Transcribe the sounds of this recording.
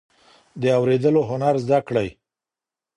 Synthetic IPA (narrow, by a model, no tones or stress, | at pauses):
d̪əawɾed̪əloɦʊnaɾzd̪akɽaj